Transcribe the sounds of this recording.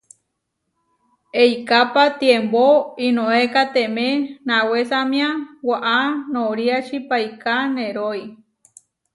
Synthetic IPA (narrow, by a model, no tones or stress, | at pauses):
ejkapat̪iemboinõekat̪emẽnãwesamj̃ãwaʔanoɾiat͡ʃipajkanẽɾoi